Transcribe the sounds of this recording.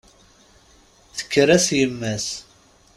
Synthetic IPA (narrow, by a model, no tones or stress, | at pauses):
θə̥kːəɾæsjəmːæs